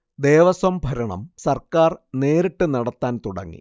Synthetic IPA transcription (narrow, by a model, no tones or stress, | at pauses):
d̪eːʋɐsʋɐmbʱɐɾɐɳɐ̰msɐrkaːrneːɾiʈːɨnɐɽɐt̪ːaːnt̪uɽɐ̰ŋːḭ